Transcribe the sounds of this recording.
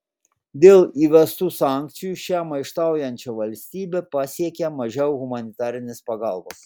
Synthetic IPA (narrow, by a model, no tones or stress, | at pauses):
d̪ʲeːlˠiːʋʲɛst̪uːsɑˑŋʲk̚t̪sʲɪjuʃʲæmɐɪʃt̪ɑˑʊjɛnʲt͡ʃʲɛʋɐlʲsʲt̪ʲiːbʲɛpɑsʲiɛkʲɛmɐʒʲɛʊɣʊmɐnʲɪt̪ɑːɾʲɪnʲɪspɐɡɑlˠbɐs